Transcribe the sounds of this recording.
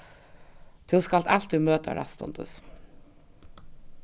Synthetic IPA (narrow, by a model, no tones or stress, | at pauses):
t̪ʰɪskalt̪al̥t̪ːumøːt̪a̰ɾa̰st̪ɔ̰nt̪ə̰s